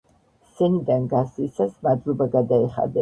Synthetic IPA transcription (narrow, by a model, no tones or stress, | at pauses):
sɛnid̪anɡasisasmad̪lˠɔbaɡad̪aɛχa̰d̪ɛ